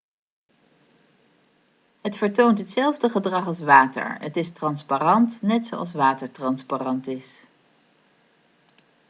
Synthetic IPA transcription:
ɦətfəɹtowntɦətsɛlˠvdəχədrɑχɑlˠsʋaːtə̰ɹətɪstrɑnspaːrɑntnɛtso̰wɑ̰lˠs̬ʋaːtəɹtrɑnsparɑntɪs

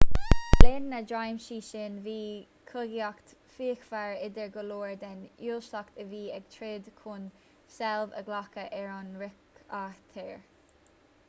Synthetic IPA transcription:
lɪnːəd͡ʒajmʃiːʃɪnviː | kʰʊɡiakt̪ | fiːkfaɹɪd̪əɹɡəloːɹd̪ɛnjuːlʃtakt̪əviːɛɡ̥t̪ʰɹɪd̪kʰun | sɛlvə̰ɡlakəʔɛɹɑnɹɪkat̪ʰɛɹ

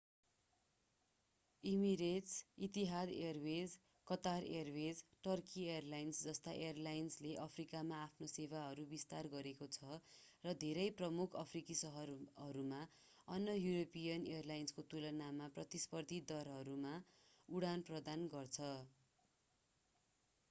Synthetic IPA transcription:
imiɾet͡sit̪iɦad̪erwed͡z | kʌt̪arḛrwed͡zʈʌrkieʌrlajnsd͡zʌst̪aʔeʌrlajnsleʔʌpʰrikamaːpʰnoseβaɦʌɾubist̪arɡʌɾekot͡sʰʌrʌd̪ʱeɾʌjprʌmukʰʌpʰrikisʌɦʌrʌɾuma | ʌnːʌjuɾopijʌnejʌrlajnskot̪ulʌnamaprʌt̪ispʌrd̪ʱid̪ʌɾɦʌɾumauɽanprʌd̪anɡʌrt͡sʰʌ

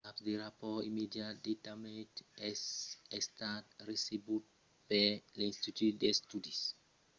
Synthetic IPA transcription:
apdeɹapɔimidiatdetamɛ̃tɛsɛstat̚ɹesibut̚ | bɛlĩnstitutdɛstudis

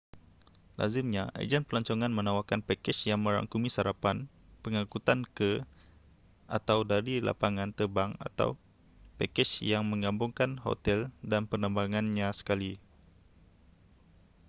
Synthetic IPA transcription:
la̰zɪmɲaʔa̰d͡ʒɛn̚pəlaɲt͡ʃɔŋãnmə̃nãwakanpakɛt͡ʃjaŋmə̃ɾa̰ŋkumĩsaɾapan | pəŋãkut̪ankə | ʔa̰t̪awdaɾila̰paŋãnt̪əbaŋa̰t̪a̰w | pɛkɛt͡ʃjaŋmə̃ŋɡambʊŋkanho̰t̪ɛldanpənə̃mbaŋanɲãsə̥kali

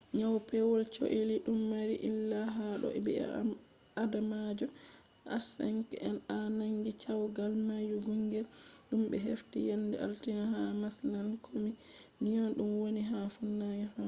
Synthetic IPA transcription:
ɲawpɛwɔlt͡ʃo̰ʔiliɗumːaɾiʔilːaɦaɗɔ̰ɛbɛ̰ | adamad͡ʒɔ | ʔa̰ɾsɛ̰ŋkʔɛnanaŋɡit͡ʃawɡalmajuɡuŋɡɛlɗumɓɛɦeftijandɛʔa̰ltinaɦamaslankʰomi | nijɔnɗumwoniɦafunːaɡafa

